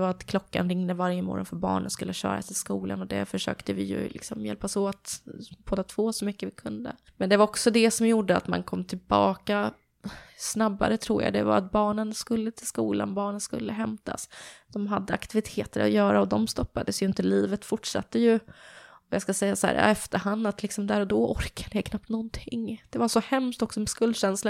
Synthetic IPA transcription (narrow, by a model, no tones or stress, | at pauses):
vaɾat̪kʰlɔkːanɾɪŋnəvaɾjəmɔ̰ːɾɔnfœɾbɑ̰ːɳənskɵlːəɕœ̰ːɾa̰sɪskuːlanɔd̪æ̰fœʂø̰ːkt̪əvɪjɵ̰lɪksɔmjɛ̰lpasɔat̪bʰoːd̪at̪ʰvoːsɔmʏkːəvɪkʰɵnd̪ə̰ | mɛnd̪ɛvaɾɔksɔd̪ɛsɔmjuɖəat̪mankʰɔmːt̪ʰɪlbɑːka | snabːa̰ɾət̪ʰɾuːɾja̰d̪ɛ̰va̰ɾa̰t̪̚bɑːɳənskɵlːət̪ʰɪlskuːla̰nbɑːɳənskɵ̰lːəɦɛmt̪ʰa̰sd̪̥ɔmɦad̪ːəa̰kt̪ɪvɪt̪ʰeːt̪əɾa̰jœːɾaɔd̪ɔmst̪ɔpːad̪əsjɵɪnt̪əliːvət̪fʊʈʂa̰t̪ːəjɵ | ɔjɑːskasɛjːashæ̰ːɾja̰ːɛft̪əɾhand̪at̪lɪksɔmd̪æɾɔd̪ɔʔɔɾkʰad̪əɛkʰnap̚t̪nɔnt̪ʰɪŋd̪̥ɛvaʂɔhɛmst̪ɔksɔmɛskɵld̪ɕɛnslə